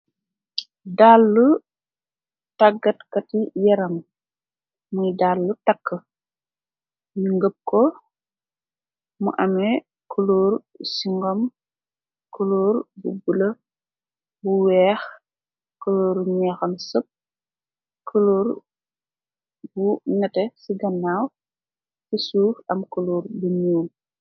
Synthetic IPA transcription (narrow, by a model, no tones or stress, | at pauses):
daːlːu | tɐɡɐtkɐtijɐɾɐm | mujdalːutɐkːə | muŋɡəp̚kɔ | mṵʔɐmɛ | kuluːɾ | siŋɡɔm | kəluːɾbubulɐ | buwɛːx | kəloːɾɲɛxɐmsəp̚ | kʰəloɾ | bunɛtɛsiɡɐnːaːw | fisuːfɐmkəluːrbuɲuːl